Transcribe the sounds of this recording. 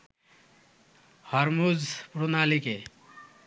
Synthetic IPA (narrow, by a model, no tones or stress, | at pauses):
hʌɾmud͡zpɾunalike